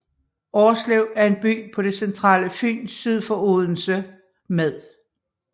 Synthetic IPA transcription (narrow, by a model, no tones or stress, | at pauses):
ɒːsleʊæɐe̝nb̥y̰ːpʰɒ̽ɾ̥e̝sent͡sʰʁɑ̰̈ːləfy̰ːnsið̞ˠfɒoðˠn̩sə | meðˠ